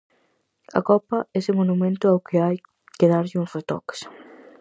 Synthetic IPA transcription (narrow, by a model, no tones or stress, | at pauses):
ɐ̰kɔpɐɛsɪmonumẽnt̪ʊawkɪaj | keðaɾʎɪuŋset̪ɔ̰ks